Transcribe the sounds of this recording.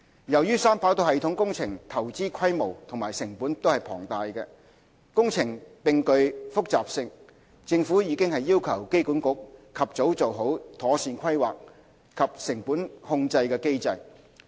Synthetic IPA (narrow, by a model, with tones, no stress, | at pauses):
jɐ˨˩wjyː˥saː˥mpaː˨˥wt̪o˧whɐ˨˧jt̪ʰʊ˨˥ŋkʊ˥ŋt͡sʰɪ˨˩ŋt̪ʰɐ˨˩wt͡siː˥kʰɐ˥jmo˨˩wt̪ʰʊ˨˩ŋmaː˨˩jsɪ˨˩ŋpuː˨˥nt̪o˥hɐ˨jpʰɔ̰ː˨˩ŋt̪aː˨jkɛː˧ | kʊ˥ŋt͡sʰɪ˨˩ŋpɪ˨ŋkɵ˧ɥfʊ˥k̚t͡saː˨p̚sɪ˧ŋ | t͡sɪ˧ŋfuː˨˥jiː˨˧kɪ˥ŋhɐ˨jːiː˥wkʰɐ˨˩wke˥jkuː˨˥nkʊ˨˥k̚kʰːɐ˨p̚t͡so˨˥wt͡so˨wɦo˨˥wt̪ʰɔː˨˥siː˧nkʰɐ˥jwa̰ː˨k̚ | kʰːɐ˨p̚sɪ˨˩ŋpuː˨˥nhʊ˧ŋt͡sɐ˧jkɛː˧ke˥jt͡sɐ˧j